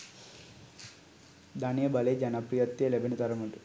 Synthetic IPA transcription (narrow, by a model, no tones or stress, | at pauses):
d̪anijɐbɐled͡ʒɐnɐpɾijɐt̪ːjelebʱinit̪ɐɾɐmuʈu